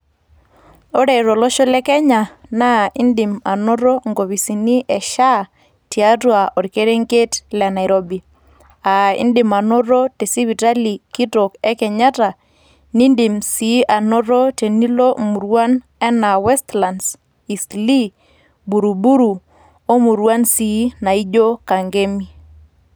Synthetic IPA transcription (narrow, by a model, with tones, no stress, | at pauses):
o˦ɾe˨ɾo˨lo˦ʃo˦lɛ˦kɛ˦ɲa˨na˦i˦ndi˨ma˨no˦ɾo˦ŋɡo˨wi˨si˨ni˦ʔɛ˨ʃa˦ | ti˨a˦twa˨ʔo˨ɾke˦ɾe˦ŋke˦tlɛ˨na˨jɾo˦bi˨ | a˨ḭ˦ndɪ˨ma˨no˦ɾo˦te˨si˦βi˨ta˦li˨ki˦to˨kɛ˦kɛ˨ɲa˦ta˨ | ni˦ndɪ˨msi˨˦ʔa˨no˦ɾɔ˦te˨ni˦lo˦mu˨ɾwa˦n | ɛ˦na˨wɛ˦stla˨ns | i˨sli˦ | bu˨ɾu˨bu˦ɾu˨ | o˦mu˨ɾwa˦nsi˨˦na˨i˦d͡ʒo˦ka˨ŋɡe˦mi˦